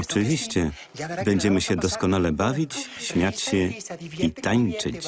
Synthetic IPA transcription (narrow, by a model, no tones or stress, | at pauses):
ɔt͡ʂɘvʲiɕt͡ɕɛ | bɛɲd͡ʑɛmɘɕɛd̪ɔskɔnalɛbavʲit͡ɕɕmʲjat͡ɕɕɛit̪aɲt͡ʂɘt͡ɕ